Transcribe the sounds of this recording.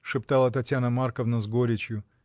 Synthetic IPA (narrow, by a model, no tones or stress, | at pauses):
ʂɨpt̪alˠət̪ɐtʲjanəmarkəvnəzɡoɾʲɪt͡ɕjʊ